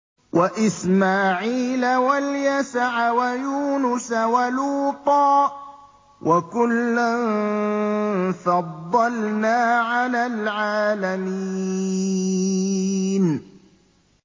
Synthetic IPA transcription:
wʔaʔɪsmaːʕiːlawaljasaʕawajuːnʊsawaluːt̪ˤɑː | wʔakʊlːʊn | fɑd̪ˤːɑlnaːʕalaːlʕaːlamiː | n

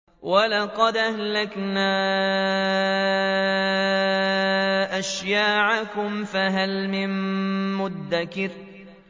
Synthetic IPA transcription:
walɑqɑd̪ʔahlaknaː | ʔaʃjaːʕakʊmfaɦalmɪmmʊd̪ːakɪɾ

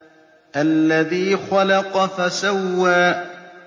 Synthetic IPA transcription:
ʔalːaðiːxalɑqɑfasawːaː

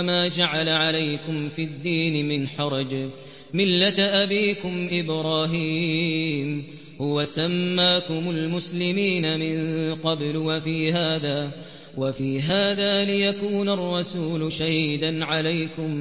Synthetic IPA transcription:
maːd͡ʒaʕalaʕalajkʊmfid̪ːiːnɪmɪnħɑɾˤɑd͡ʒ | mɪlːat̪ʔabiːkʊmʔɪbɾˤɑːɦiːm | hʊwasamːaːkʊmʊlmʊslɪmiːnamɪnqɑblwafiːɦaːðaː | wafiːɦaːðaːlɪjakuːnarˤːɑsuːlʃahiːd̪anʕalajkʊm

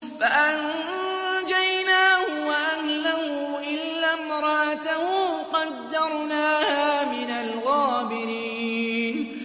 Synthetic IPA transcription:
faʔan | d͡ʒajnaːhʊwaʔanlahʊʔɪlːamɾˤɑʔat̪ahʊqɑd̪ːɑɾˤnaːhaːmɪnalɣaːbɪɾiːn

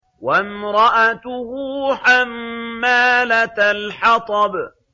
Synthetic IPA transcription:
wamɾˤɑʔat̪ʊhuːħamːaːlat̪lħɑt̪ˤɑb

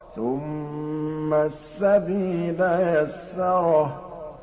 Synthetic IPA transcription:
θʊmː | asːabiːlajasːɑɾˤ

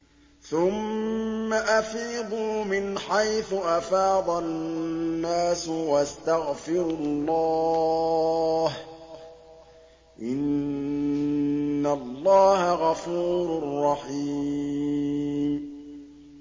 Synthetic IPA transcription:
θʊmː | aʔafiːd̪ˤuːmɪnħajθʊʔafɑːd̪ˤɑː | aːswast̪aɣfɪɾlˤːɑ | h | ʔɪn | alˤːɑːhaɣɑfuːɾʊrːɑħiː | m

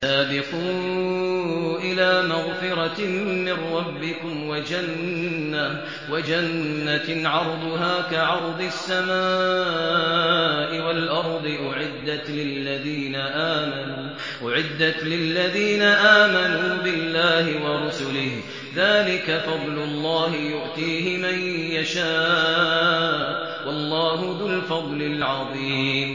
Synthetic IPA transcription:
saːbɪquː | ʔɪlaːmaɣfɪɾɑmɪnɾˤɑbːɪkʊmwad͡ʒanːa | wad͡ʒanːaʕɑɾˤd̪ˤʊɦaːkaʕɑɾˤd̪ˤɨsːamaːaː | ʔɪwalʔɑɾˤd̪ˤɨʔʊʕɪd̪ːat̪lɪlːaðiːnaʔaːmanu | ʔʊʕɪd̪ːat̪lɪlːaðiːnaʔaːmanuːbɪlːaːhɪwɑɾʊsʊlɪh | ðaːlɪkafɑd̪ˤlʊlˤːɑːhɪjʊʔt̪ˤiːɦɪmanjaʃaː | wɑlˤːɑːɦʊðʊlfɑd̪ˤlɪlʕɑðˤiːm

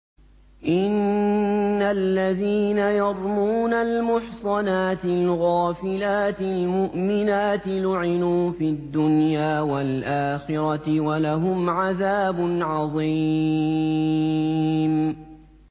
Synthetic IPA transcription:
ʔɪnː | alːaðiːnajɑɾˤmuːnalmʊħsˤɑnaːt̪ɪlɣaːfɪlaːt̪ɪlmʊʔmɪnaːt̪ɪlʊʕɪnuːfiad̪ːʊnjaːwalʔaːxɪɾɑt̪ɪwalaɦʊmʕaðaːbʊnʕɑðˤi | m

